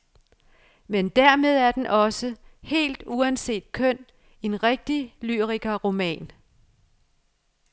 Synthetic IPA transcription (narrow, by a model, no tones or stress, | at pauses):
mend̥æɐ̰me̝ð̞ˠæɐd̥enʔɒ̽səhe̝̰ːld̥uænse̝̰ːd̥̚kʰœn̰ | e̝nʁeɡ̥̚d̥ilyʁiɡ̥ɐʁo̝mɛ̰ːn